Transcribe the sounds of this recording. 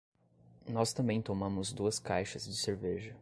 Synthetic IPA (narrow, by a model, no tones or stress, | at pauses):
nɔst̪ɐ̃mbẽj̃t̪omɐ̃mʊzd̪uɐskajʃɐzd͡ʒɪseɾveʒɐ